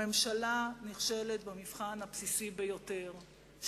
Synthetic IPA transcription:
emʃalaniχʃe̞let̪̚bemifχanhapsisibejo̞te̞ʁ | ʃ

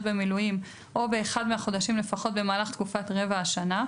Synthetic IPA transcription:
bemilujim | ʔo̞be̞ːχad̪meaχo̞d̪aʃimle̞faχo̞t̚be̞maːlaχt̪kufatʁevaːʃana

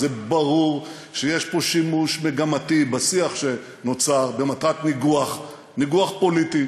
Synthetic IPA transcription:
zebaʁuʁ | ʃejeʃpo̞ʃimuʃmeɡamatibasiaχʃe | no̞t͡saʁbe̞mat̪ʁat̪niɡuaχ | niɡuaχpolit̪i

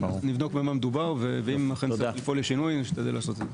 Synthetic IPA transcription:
nivno̞kmeamamed̪ubaʁveveimaχenlifoleʃinujʃt̪ad̪elaːso̞t̪ee

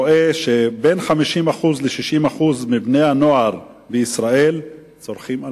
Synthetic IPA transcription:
oʔeʃebe̞nχamiʃimaχuzleʃiʃimaχuzmibne̞jhano̞aʁ | beisʁae̞l | t͡so̞ʁχima

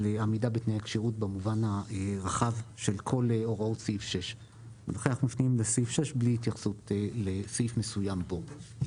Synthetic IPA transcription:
leamidabetnejhakʃiʁut̚bemuvanhaʁaχavʃe̞lkʰo̞leoʁaotsiifʃeʃ | veloχeaχmafniimlesifʃeʃbliit̪jaχsutlesifmesujambo̞

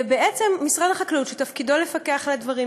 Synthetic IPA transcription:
beʔet͡semːisʁadaχaklutʃet̪afkido̞le̞fakeaχladvaʁi

